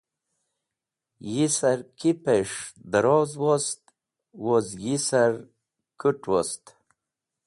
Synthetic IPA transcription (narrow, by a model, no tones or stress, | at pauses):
jisaɾkipeʂd̪əɾozwost̪ | wozɡisaɾ | kuʈwost̪